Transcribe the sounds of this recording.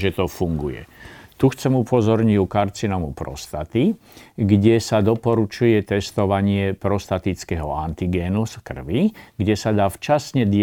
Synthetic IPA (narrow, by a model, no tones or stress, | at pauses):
ʒɛt̪ɔfuŋɡujɛ̰t̪uxt͡sɛmupɔzɔɾɲiukaɾt͡sinɔmupɾɔ̰st̪at̪i | ɡɟɛsad̪ɔpɔɾut͡ʃujɛt̪ɛst̪ɔʋaɲɪɛpɾɔst̪at̪it͡skɛɦɔant̪iɡɛːnuskr̩ʋiɡɟɛsad̪aːft͡ʃasɲɛd̪ɪ